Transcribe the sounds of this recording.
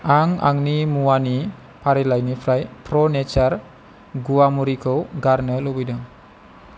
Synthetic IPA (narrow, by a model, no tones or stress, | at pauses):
ʔaŋa̰ŋnimuani | paɾilajnifɾajpɾonet͡ʃər | ɡuamuɾikowɡarnəlowidəŋ